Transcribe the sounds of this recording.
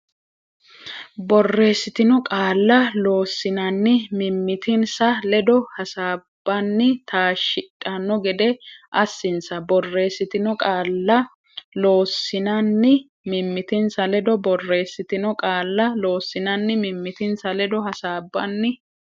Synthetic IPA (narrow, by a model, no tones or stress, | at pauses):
bɔrːe̞ːsːɪt̪ɪnʊkʼaːlːɐlo̞ːsːɪnɐnːɪmɪmːɪt̪ɪnsɐlɛd̪ɔhɐsaːb̥ːɐnːɪt̪ʰaːʃɪtʼːɐnːɔɡɛd̪ɛʔɐsːɪnsɐbɔrːe̞ːsːɪt̪ɪnɔkʼaːlːɐ | lo̞ːsːɪnɐnːɪ | mɪmːɪt̪ɪnsɐlɛd̪ɔbɔrːe̞ːsːɪt̪ɪnɔkʼaːlːɐlo̞ːsːɪnɐnːɪmɪmːɪt̪ɪnsɐlɛd̪ɔhɐsaːbːɐnːɪ